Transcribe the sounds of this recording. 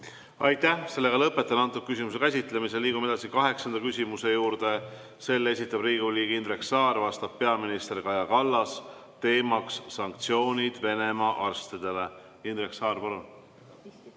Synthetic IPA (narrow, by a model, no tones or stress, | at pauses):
ɑ̰jt̪ːˑæhse̞lːe̞ɡɑlɤpːˑe̞t̪ːˑɑnɑnt̪ːˑuk̪̚kysimus̬e̞kæs̬ʲit̪ˑlemiselːiːɡume̞d̪̥ɑsikɑɦe̞ksɑnd̪̥ɑkysʲimuse̞juːɾd̪̥e̞ | se̞lːe̞sʲit̪ːˑɑb̥riːɡ̥uliːɡ̥ind̪ɾe̞ksɑːrvɑst̪ɑb̥̚pe̞ɑminist̪erkɑjɑkɑlːɑst̪e̞ːmɑksːɑŋk̚t̪sio̞ːnʲid̪̥ve̞ne̞mɑʔɑrst̪id̪̥e̞le̞ | ind̪reksɑːrpɑlun